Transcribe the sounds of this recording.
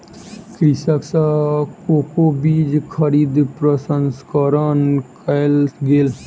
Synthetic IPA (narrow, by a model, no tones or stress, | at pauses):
kɾisaksakokobiːd͡ʒkʰəɾiːd̪pɾəsənskəɾənkalɡeːl